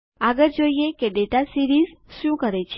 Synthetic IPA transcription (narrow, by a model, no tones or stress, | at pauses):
aɡəɾd͡ʒoiekeɖeʈasiɾizʃũkəɾet͡ʃʰe